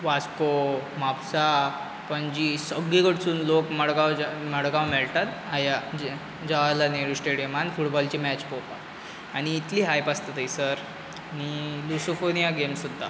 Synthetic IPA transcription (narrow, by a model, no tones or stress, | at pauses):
ʋaskomapsa | pəɳd͡ʑisəɡiɡəʈsuːnlokməɽɡawməɽɡawmɛɭʈat̪aja | d͡ʑaʋalaneɾusʈeɽijəmanfuʈbɔlt͡ɕimæt͡ɕpopa | aɽ̃iːt̪liːɦajpast̪at̪əjsəɾ | añilusofonijaɡemsud̪ːa̰